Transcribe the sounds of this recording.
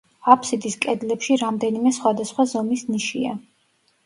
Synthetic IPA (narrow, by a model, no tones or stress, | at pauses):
apʰsid̪iskʼɛd̪lɛpʃiɾamd̪ɛnimɛsχwad̪asχwazɔmisniʃia̰